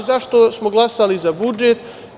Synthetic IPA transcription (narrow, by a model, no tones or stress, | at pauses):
zaʃt̪osmoɡlˠasalizabud͡ʒet̪